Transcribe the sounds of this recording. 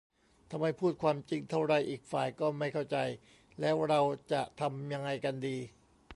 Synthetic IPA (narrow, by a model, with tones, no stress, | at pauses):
t̪ʰa˧mha˥˩jpʰuː˥˩t̪̚kʰwaː˧mt͡ɕi˧ŋt̪ʰa˥˩wɾa˧˩jʔiː˨˩k̚faː˨˩jkɔː˥˩ma˥˩jkʰa˥˩wt͡ɕa˧j | lɛː˦˥wɾa˧wt͡ɕa˨˩ʔt̪ʰa˧mja˧ŋːa˧jka˧ndiː˧